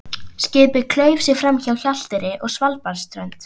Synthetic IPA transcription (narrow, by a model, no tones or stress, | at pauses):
scɪːpʏðkʰlœːɥvsɪɣfɾamçawçal̥t̪ɪɾɪʔɔɣsvalpaɾst̪ɾœnt̪